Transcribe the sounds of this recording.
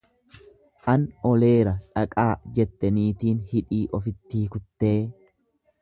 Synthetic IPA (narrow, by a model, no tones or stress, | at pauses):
ʔɐnɔleːɾɐᶑɐkʼaːd͡ʒɛt̪ːɛniːt̪iːnhɪᶑiːʔɔfɪt̪ːiːkʊt̪ːe̞ː